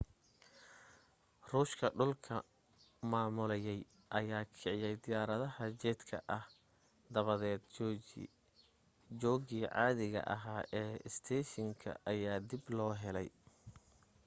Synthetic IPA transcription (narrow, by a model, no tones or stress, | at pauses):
ruːʃkʰɐɖʊlkʰɐ | maːmʊlɛjɛj | ʔɐjaːkʰɪʕɪjɛjd̪ɪjaːɾɐðɐhɐt͡ʃɛːd̪kʰɐ̰ʔɐh | d̪ɐβɐðɛːd̪ | d͡ʒɔːɣiːʕɑ̰ːðɪɣɐ̰ʔɐ̰ɦaːʔɛːɪst̪ʰɛːʃɪŋkʰɐ̰ʔɐjaːd̪ɪblɔːɦɛlɛj